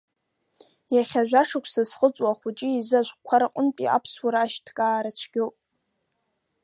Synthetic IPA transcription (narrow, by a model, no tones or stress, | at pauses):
jaχʲaʒᶣʷaʂakʷʰsɨzχət͡sʼwaχʷut͡ʃʼiizaʒʷkʷʰaɾaqʷʼʊnpʼḭʔa̰pʰswaɾaːʃtʰkʼaːɾat͡ɕʷʰɡʲopʼ